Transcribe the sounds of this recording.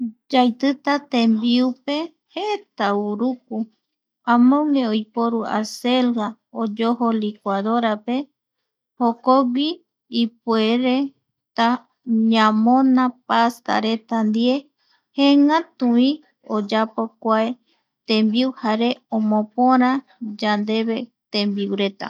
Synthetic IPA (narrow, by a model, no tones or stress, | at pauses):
d͡ʒajt̪ɨt̪at̪ẽmbiupe̞ | het̪auɾuk̚u | ãmõŋɡeojpoɾua̰selɡa | od͡ʒoholikʷaðoɾape̞ | hokoɡʷiː | pweɾe | t̪a | ɲãmõnãpast̪a̰ɾe̞t̪and̪ie̞ | heŋãt̪ũĩ | od͡ʒapokʷae | t̪ẽmbiuhaɾe̞õmõpõɾ̃ã | d͡ʒand̪e̞βe̞t̪ẽmbiwɾe̞t̪a̰